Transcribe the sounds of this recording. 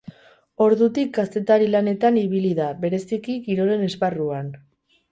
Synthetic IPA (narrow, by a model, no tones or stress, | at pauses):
o̞ɾðut̪ik̚ɡast̪e̞t̪aɾilane̞t̪aniβiliðaβe̞ɾe̞sikiɡiɾo̞ɾe̞ne̞sparuan